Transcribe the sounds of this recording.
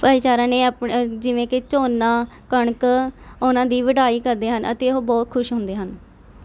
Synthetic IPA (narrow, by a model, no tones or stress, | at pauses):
pəːiːt͡ʃaːɾãːneːəpd͡ʒɪʋẽːkɪt͡ʃoːnãːkəɳkʊnãːd̪iːʋəɖaːiːkəɾd̪eːɦənʔə̰t̪eːoɦbɔːt̪kʰʊʃɦʊ̃nd̪eːɦən